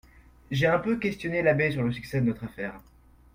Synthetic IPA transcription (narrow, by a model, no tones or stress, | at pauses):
ʒeɛ̃pøkʲɛst̪jɔnelabɛsyʁləsyksɛd̪ənɔt̪χafɛːʁ